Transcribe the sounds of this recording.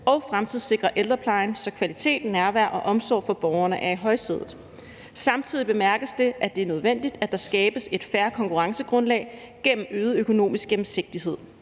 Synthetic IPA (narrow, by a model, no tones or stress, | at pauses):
ɒ̽ʊfʁamt͡sʰið̰ˠse̝ɡ̥ʁɐʔeld̥ʁɐpʰlɑ̈ɪnsɒ̽kʰʋælit͡sʰe̝̰ːd̥nːæɐʋæɐ̰ʔɒ̽ʔɒ̽msɒ̰ːfɒ̽b̥ɒːʊɐnəʔæɐiɦɒ̽ɪse̝ðˠð̩ˠ | sɑ̈mt͡sʰið̰ˠib̥e̝mæɐɡ̥əsd̥e̝ʔæd̥e̝æɐnøð̞ˠʋen̰d̥id̥æd̥ɑ̈sɡ̥ɛːb̥əse̝d̥fæɐkʰɒ̽ŋkʰuʁɑ̈ŋsəɡ̥ʁɔ̽nlɛ̰ɪ | ɡ̥en̰m̩øːðˠøkʰo̝no̝̰ːmisɡ̥ɡem̩se̝ɡ̥̚d̥iɦe̝ð̰ˠ